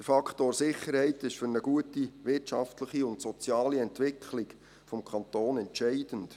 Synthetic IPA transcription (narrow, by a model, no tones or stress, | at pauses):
d̥əɾfɑkχtoːɾsɪχːəɾhɛɪtɪʃfʏɾnəɡuətiʋɪrtʃɑftləχiʊntsɔt͡sjɑːliɛntʋɪkʰχlɪk | fɔmkʰɑnt̪oːnɛntʃɛɪd̥ənt